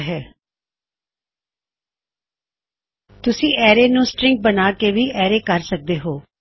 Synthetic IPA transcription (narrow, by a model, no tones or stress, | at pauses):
ɦɛː | t̪ʊsĩːʔɛːɾeːnũːsʈɾɪ̃ŋɡ̚bənaːkeːʋiːʔɛːɾeːkəɾsək̚d̪eːɦoː